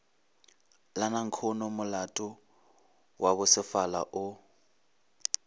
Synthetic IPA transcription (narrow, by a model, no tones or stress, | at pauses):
lanaŋ̩kʰɔnɔmʊlatʼʊ | wʔabʊsɪfala̰ʔʊ